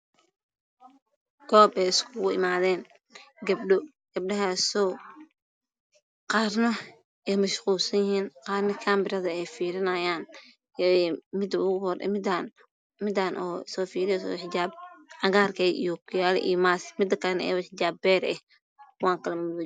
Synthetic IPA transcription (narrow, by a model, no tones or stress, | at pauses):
ɡ̥ɔːbɛjɪskʰʊɣʊɪ̰maːðɛːn | ɡɐbɖɔ | ɡ̥ɐb̚ɗɐɦɐsɔː | qɑːrnɔ | ɛːmɐʃquːlsɐnjɪɦiːnqɑːrnɪkʰaːmbɪrɐðɐɛjfiːɾɪnɐjaːn | mɪd̪ʊhɾ̰n | mɪd̪aːnʔɔːsɔːfiːɾɪjɛsɔ̰wħaːb̚ʕɐɣaːrkʰɛjḭjɔkʰʊjaːlɛ̰ʔḭjmasmɪd̪ɐkʰɐnɛ̰ːwɑħd͡ʒaːbɛːɾɛh | kʊwaːŋkʰɐlɐmʊðʊ